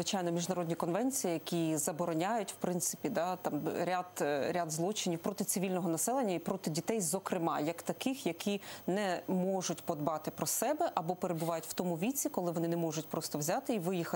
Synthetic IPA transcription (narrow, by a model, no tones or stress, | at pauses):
ʋɪt͡ʃɑjnɔmʲiʒnɐɾɔd̪ʲnʲikɔnʋɛnʲt͡sʲijijɐkʲizɐbɔɾɔnʲajʊtʲw̥pɾɪnt̪sɪ̥pʲid̪ɑt̪ɑmɾʲad̪ɾʲad̪zlˠɔt͡ʃɪnʲiwpɾɔt̪ɪt̪sɪʋʲilʲnɔɦɔnɐsɛlˠenʲːɐipɾɔt̪ɪdʲit̪ɛjzɔkɾɪmɑjɐkt̪ɐkɪxjɐkʰʲinɛmɔʒʊtʲpɔd̪bɑt̪ɪpɾɔsɛbɛʔɐbɔpeɾebʊʋɑjʊtʲwt̪ɔmʊʋʲit͡sʲikɔlˠɪʋɔnɪnɛmɔʒʊtʲpɾɔst̪ɔwzʲat̪ɪiʋɪjixɐ